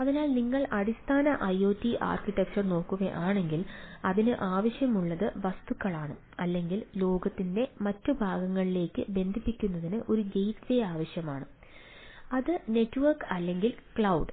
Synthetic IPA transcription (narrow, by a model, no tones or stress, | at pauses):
ɐðinaːlniŋːɐɭɐɽist̪ʰaːnɐʔɐjo̞ːtːiʔa̰ːrkiʈːɐk̚t͡ɕɐrno̞ːkːuɣɐ̰ʔaːɳe̞ŋɡilɐðinɨʔaːʋɐɕjɐmuɭːɐðɨʋɐst̪ukːɐɭaːɳɨ | ɐlːe̞ŋɡillo̞ːɡɐt̪ːinde̞mɐtːɨbʱaːɡɐŋːɐɭile̞ːkːɨbe̞nd̪ʱipːikʲːunːɐðinɨʔo̞ɾuɡejtsejaːʋɐɕjɐmaːɳɨ | ɐðɨne̞tːɨʋɐrkɐlːe̞ŋɡilkɭɐwɖ